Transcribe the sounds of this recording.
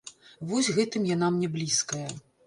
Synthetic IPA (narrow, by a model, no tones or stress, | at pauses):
vɔsʲɣɛt̪ɨmjanamnʲɛblʲiskɐjɐ